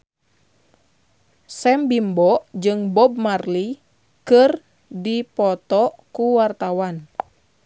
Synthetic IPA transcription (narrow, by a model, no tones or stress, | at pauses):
sɛmbimbɔʔd͡ʒɨŋbɔb̚marli | kɨr | dipɔt̪ɔkuwart̪awan